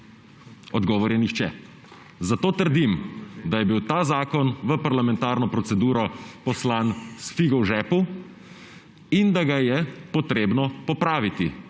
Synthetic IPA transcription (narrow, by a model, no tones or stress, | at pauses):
ɔd̪ɡɔːʋɔɾjɛnixt͡ʃɛ | zat̪oːt̪əɾd̪imd̪ajɛbiwt̪aːzaːkɔnʋəpaɾlamɛ̃nt̪aːɾnɔpɾɔt̪sɛd̪uːɾɔpɔslaːnsfiɡɔwʒɛːpu | ind̪aɡajɛpɔt̪ɾeːbnɔpɔpɾaːʋit̪i